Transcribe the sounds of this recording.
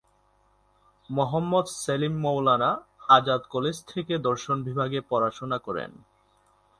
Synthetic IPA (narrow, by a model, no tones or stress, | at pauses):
mɔɦamːod̪selimːowlanaad͡ʑad̪koled͡ʑt̪ʰeked̪ɔɾʃonbʱibʱaɡepɔɾaʃonakɔɾḛn